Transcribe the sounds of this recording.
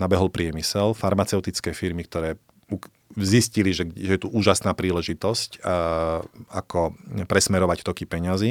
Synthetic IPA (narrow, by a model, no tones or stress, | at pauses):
nabɛɦɔlpɾɪɛmisɛlfaɾmat͡sɛʊt̪it͡skɛːfiɾmik̚t̪ɔɾɛː | u | zisciliʒɛʒɛjɛt̪uʔuːʒasnaːpɾiːlɛʒit̪ɔsc | a̰kɔpɾɛsmɛɾɔʋact̪ɔkipɛɲazi